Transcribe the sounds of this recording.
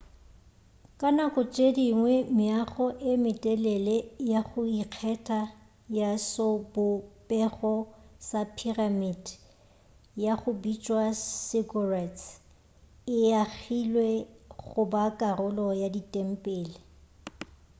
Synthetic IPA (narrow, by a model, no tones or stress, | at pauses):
kʼanakʼʊt͡ʃʼediŋwɛmɪaχɔʔɪmɪtʼɛlɛlejaχʊiq͡χʰɛtʼa | jasobʊpʼɛχɔsapʰiramid | jaχʊbit͡ʃʼwasɪɡurɛts | ɪaχilweɣχʊbakʼarʊlɔjaditʼem̩pʼɛːlɪ